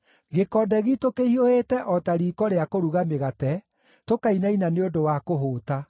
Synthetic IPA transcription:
ɣekɔːdɛɣitokehiohetɛʔɔtaɾiːkɔɾeakoɾuɣameɣatɛ | tokainainaneodowakoɦoːta

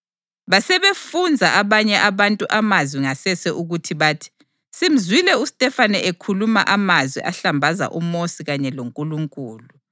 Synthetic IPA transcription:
βasɛβefund͡zʱaʔaβaɲɛʔaβantʼuʔamazwiŋasɛsɛʔuɣutʰiβaːtʰi̥ | sim̩zwilɛusi̥tʼɛfanɛʔekʰulumaʔamazwḭʔaɬambʱaza̰ʔumosiɣaɲɛloŋkʼuluŋkʼuːlu

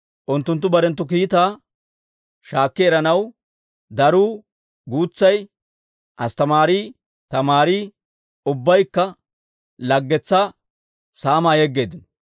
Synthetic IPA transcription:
ʔʊnt̪ːʊnt̪̬ːʊbɐɾɛnt̪ːʊkiːt̪aː | ʃaːkːɛɛɾɐnɐw | d̪ɐɾuː | ɡuːt͡sːɐj | ʔɐst̪ɐmaːɾiː | t̪ɐmaːɾiː | ʊbːɐjkːɐ | lɐɡːɛt͡sːa | saːmaːjɛɡːeːd̪ɪnɔ

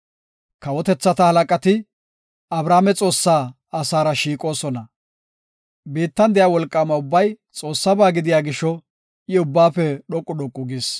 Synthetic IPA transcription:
kɐwɔt̪ɛt͡sːɐt̪ɐhɐlɐkʼɐt̪ɪ | ɐbɾaːmɛt͡sʼo̞ːsːaː | ɐsaːɾɐʃiːkʼo̞ːsɔnɐ | biːt̪ːɐnd̪ɛjawɔlkʼːamɐʊbːɐj | t͡sʼo̞ːsːɐbaːɡɪd̪ɪjaːɡɪʃɔ | ʔɪʊbːaːfɛɗɔkʼːʊɗɔkʼːʊɡɪs

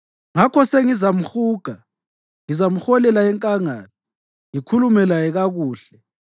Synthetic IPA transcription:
ŋakʰɔseŋizam̩xuːɡ̥ʱa | ŋizam̩xɔlɛlaɛŋkʼaŋaːnɔ | ŋikʰulumɛlajɛɣaɣuːɬɛ

